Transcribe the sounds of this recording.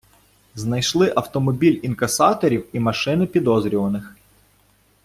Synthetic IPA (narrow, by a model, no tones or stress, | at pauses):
znɐjʃlˠɪʔɐwt̪ɔmɔbʲilʲinkɐsɑt̪ɔɾʲiwimɐʃɪnɪpʲid̪ɔzɾʲɔʋɐnɪx